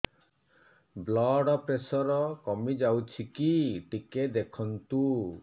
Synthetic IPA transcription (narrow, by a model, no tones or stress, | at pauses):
blɔɖɔpɾesɔɾɔkɔmid͡ʒawt͡ʃʰikiʈiked̪ekʰɔnt̪u